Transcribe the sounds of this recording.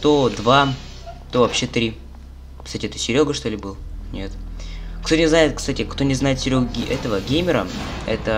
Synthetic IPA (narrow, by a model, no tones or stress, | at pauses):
t̪od̪va | t̪o̞vɐpɕːe̞t̪ɾʲi | kst̪atʲɪɛt̪ə̥sʲɪɾʲo̞ɡəʂt̪o̞lʲɪbɨlˠnʲe̞t̪kt̪o̞nʲɪznajɪt̪̚kst̪atʲɪkt̪o̞nʲɪznaɪt̪sʲɪɾʲoɡɡʲʔɛt̪əvəɡʲejmʲɪɾəɛt̪ə